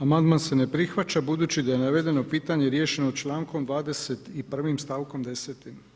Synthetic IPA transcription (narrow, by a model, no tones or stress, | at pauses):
amand̪manse̞ne̞pɾixʋat͡ɕabud̪uːt͡ɕid̪aje̞naʋe̞d̪e̞no̞piːt̪aɲe̞ɾje̞ːʃe̞not͡ʃlˠaːŋko̞md̪ʋaːd̪e̞se̞t̪ipr̩ʋimst̪aːʋkomd̪e̞seːt̪im